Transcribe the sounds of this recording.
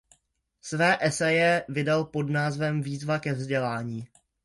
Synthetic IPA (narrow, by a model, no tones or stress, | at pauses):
svɛːʔɛsɛjɛvɪdalpo̞dnaːzvɛmviːzvakɛvzɟɛlaːɲiː